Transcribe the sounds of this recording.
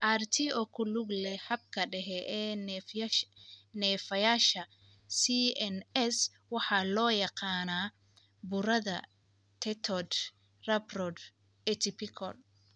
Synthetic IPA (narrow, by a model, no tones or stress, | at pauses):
ʔart̪ʰiʔɔkʰʊlʊɡlɛhɐb̚kʰɐɖɛɦɛʔɛːɛf | nɛːfɐjaːʃɐ | siɛnɛs | wɑħɑlɔːjɑqɑːnaː | bʊɾɐðɐ | t̪ʰɛt̪ʰɔd̪ | rɐbrɔd̪ | ɛt̪ʰɪpʰɪkʰɔl